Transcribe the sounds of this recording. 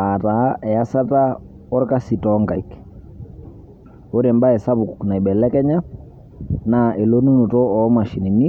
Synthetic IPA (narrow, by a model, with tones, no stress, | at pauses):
a˨ta˨˦ʔɛ˨ja˦sa˦ta˦ | ɔ˦ɾka˦si˨tɔ˨˦ŋka˨i˨k | o˦ɾe˨mba˦ɛ˨sa˦bʊ˨ku˨kna˨i˨bɛ˨lɛ˦kɛ˦ɲa˦ | na˦ʔe˨lo˦nu˦nu˨tɔ˦ɔ˨˦ma˨ʃi˨ni˨ni˦